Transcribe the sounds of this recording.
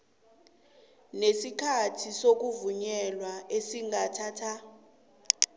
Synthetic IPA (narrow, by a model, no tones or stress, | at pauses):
nesikʰatʰisok̬uvuɲɛlwaesiŋatʰaːtʰa